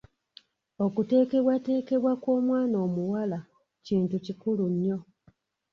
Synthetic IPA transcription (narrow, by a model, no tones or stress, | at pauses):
o̞kute̞ːke̞βwate̞ːke̞βwakwo̞ːmwaːnoːmuwala | ciːntucikuluɲːo̞